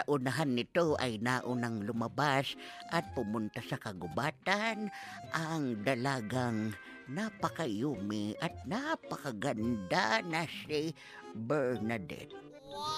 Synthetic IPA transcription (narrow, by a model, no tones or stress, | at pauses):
ɐʔʊnɐɦanːɪt̪oʔajnaʔʊnɐŋlʊmɐbasʔɐt̪̚pʊmʊnt̪asɐkɐɡʊbaːt̪anʔaŋd̪ɐlaɡaŋ | napɐkɐjumɪʔɐt̪̚napɐkaɡand̪anɐsi | bɛɹnad̪ɛ̰t̪̚